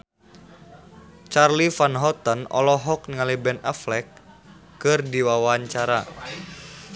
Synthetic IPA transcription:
t͡ʃarlifanɦɔt̪ənɔ̰lɔɦɔk̚niŋalibɛnaflɛk̚ː | ɨrdiwawaɲt͡ʃaɾa

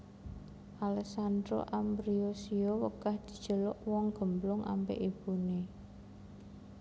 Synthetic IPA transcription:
ʔalɛksand̪ɾo̰ʔambɾiosiowəkahd̪̥i̤d̥ʒ̥ə̤lɔʔwɔŋɡ̥ə̤mblʊŋa̰mpḛʔib̥une

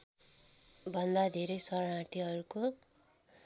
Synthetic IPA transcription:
bʱʌnd̪ad̪ʱeɾʌjsʌɾʌɽat̪ʰiɦʌɾuko

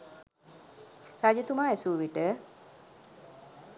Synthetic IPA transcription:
ɾad͡ʒet̪umaːesuːʋiʈə

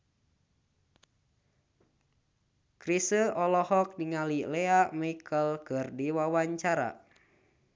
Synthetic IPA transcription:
kɾisəɔlɔhɔk̚niŋalileaʔmikʰəlkərdiwawaɲt͡ʃaɾa̰

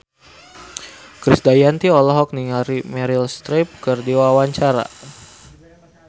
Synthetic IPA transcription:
kɾisdajant̪iɔlɔɦɔk̚niŋaɾimɛɾilst̪ɾip̚kərdiwawaɲt͡ʃaɾa̰

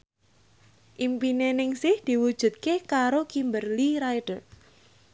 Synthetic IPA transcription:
ʔimpinenɪŋsɪhd̪̥iwud̥ʒ̥ṳt̪̚kekaɾokimbərliɾajɖ̥ə

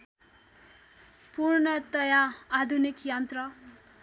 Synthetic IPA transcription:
purnʌt̪ʌjaad̪ʱunikjʌnt̪rʌ

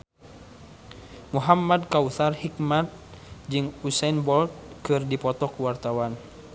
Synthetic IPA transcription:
muɦamːad̚kauθarhik̚mat̪̚d͡ʒɨŋusɛnbɔlt̪̚kɨrdipɔt̪ɔkuwart̪awan

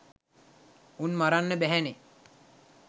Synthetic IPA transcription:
unmaɾanːəbɛɦɛne

